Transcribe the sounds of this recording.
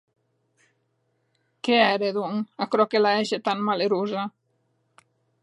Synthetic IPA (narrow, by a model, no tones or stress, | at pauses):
keɛɾeðuŋakɾɔkelaeʃet̪anmaleɾuza